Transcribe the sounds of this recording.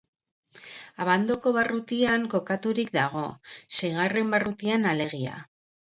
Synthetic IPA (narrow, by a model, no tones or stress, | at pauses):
aβand̪oko̞β̞arut̪iaŋko̞kat̪uɾik̚d̪aɣ̞o̞se̞jɣarembarut̪ianale̞ɣ̞ia̰